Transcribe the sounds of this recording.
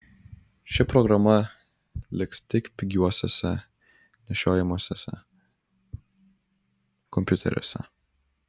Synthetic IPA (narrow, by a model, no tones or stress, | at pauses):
ʃʲɪpɾɔɡɾɐmɐ | lʲɪkst̪ʲɪkpʲɪɡʲuɔsʲɛsʲɛ | nʲɛʃʲoːjɛmusʲɛsʲɛ̰ | kɔmʲpʲʊt̪ʲɛ̰ɾʲɛ̰sʲɛ̰